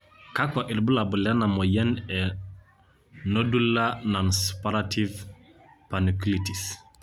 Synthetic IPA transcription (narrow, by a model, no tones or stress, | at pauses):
kakɔʔilbulabulɛnamɔjɛnɛ | nodulːananspaɾatʰiv | panikilitis